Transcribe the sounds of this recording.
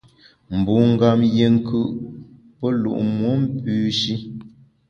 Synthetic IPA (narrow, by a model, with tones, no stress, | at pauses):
m̩˨bu˨ŋ̩˦ɡa˨mje˨ŋ̩˦kʰɯ˦ʔ | pə˦lṵ˨ʔmwo˦m̩˦pʉː˦ʃi˦